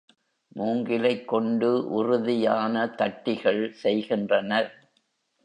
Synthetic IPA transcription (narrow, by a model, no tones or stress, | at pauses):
muːŋɡɪlɐɪkːɔɳɖɯʔʊrʊðɪjaːnɐt̪ɐʈːɪɣɐɭsɛjɣɪndrɐnɐɾ